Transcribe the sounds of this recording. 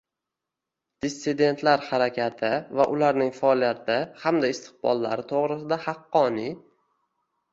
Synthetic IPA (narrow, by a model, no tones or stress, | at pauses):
d̪̥esːɪd̪e̞nt̪ʰlaɾhaɾakʲʰat̪ʰɪvaʔʊlaɾnɪŋfaɒlijat̪ʰɪhamd̪aɪst̪ʰɪ̥qbɒ̰lˠːa̰ɾɪt̪ʰoʁɾɪsɪd̪ahɑqːɒni